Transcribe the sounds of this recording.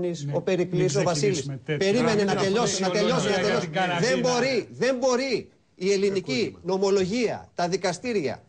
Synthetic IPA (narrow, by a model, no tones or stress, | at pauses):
niso̞pe̞ɾiklis̬o̞vɐsilispe̞ɾime̞ne̞nɐt̪e̞ʎo̞sinɐt̪e̞ʎo̞siɐt̪onosðe̞mbo̞ɾiðe̞mbo̞ɾiː | e̞linicino̞mo̞lo̞ʝiɐ̰t̪ɐðikɐst̪iɾɐ̰